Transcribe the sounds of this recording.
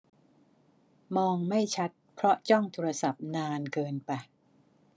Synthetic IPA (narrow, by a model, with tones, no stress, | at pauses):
mɔː˧ŋma˥˩jt͡ɕʰa˦˥t̪̚pʰɾɔ˦˥t͡ɕɔ˥˩ŋt̪ʰoː˧ɾa˧sa˨˩p̚naː˧nkɤː˧npa˧˩